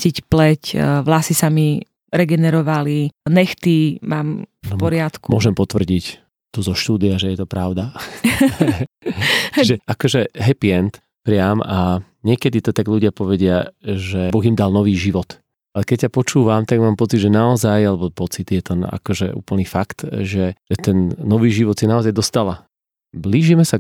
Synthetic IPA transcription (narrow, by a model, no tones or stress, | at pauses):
cicplɛcʋlasisami | ɾɛɡɛnɛɾɔʋalinɛxt̪imaːmfpɔɾɪat̪kumɔʒɛmpɔt̪ʋr̩ɟic | t̪ɔzɔʃt̪uːd̪iaʒɛjɛt̪ɔpɾaʊd̪a | t͡ʃiʒɛʔakɔʒɛɦɛpiɛnt̪ | pɾɪama | ɲɪɛkɛd̪it̪ɔt̪aɡʎuɟɪapɔʋɛɟɪaʒɛbɔɣimd̪alˠnɔʋiːʒiʋɔt̪ | alɛkɛc̚cːapɔt͡ʃuːʋamt̪aɡmaːmpɔt͡sid̪ʒɛnaɔzajalɛbɔpɔt͡sid̪jɛt̪ɛna̰kɔʒɛ̰ṵːpl̩nifakt̪ʒɛʒɛt̪ɛnːɔʋiːʒiʋɔt̪sinaɔzajd̪ɔst̪ala | bliːʒimɛsa